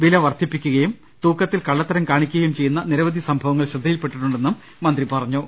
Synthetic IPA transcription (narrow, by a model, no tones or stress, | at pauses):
ʋilɐʋɐrt̪ʰːipːikʲːuɣɐjum | t̪uːkːɐt̪ːilkɐɭːɐt̪ːɐɾɐmkaːɳikʲːuɣɐjumt͡ɕe̞jːunːɐniɾɐʋɐd̪ʱisɐmbʱɐʋɐŋːɐɭɕrɐd̪ʱɐjilpe̞ʈːiʈːuɳɖenːumːɐnd̪ripɐrɐɲːu